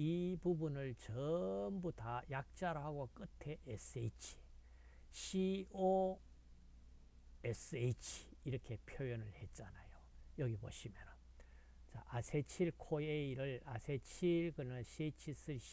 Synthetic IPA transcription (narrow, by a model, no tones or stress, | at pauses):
ipubunɯɭt͡ɕʌmbutajak̚t͡ɕ͈aɾohaɡok͈ɯtʰe̞ʔesʰeit͡ɕʰi̥ | ɕʰio | esɯejt͡ɕʰi̥ːɾʌkʰe̞pʰjojonɯɭhe̞t̚t͡ɕ͈anajojʌɡibo̰ɕʰimjʌnɯn | t͡ɕaʔasʰet͡ɕʰiɭkʰoeiɾɯɭasʰet͡ɕʰiɭkɯnɯɭɕʰiet͡ɕʰis͈ɯɕ